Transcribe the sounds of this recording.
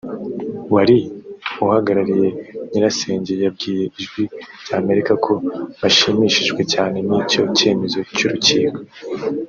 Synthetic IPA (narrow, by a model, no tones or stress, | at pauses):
waɾiuhaɡaɾaɾije̞ɲiɾase̞ːɲɟe̞jab̚ɡiːje̞iʒɡwiz̥aːme̞ɾikakʰo̞βaʃimiʃiʒɡwe̞caːne̞niːco̞ce̞ːme̞zo̞cuɾuciːɡo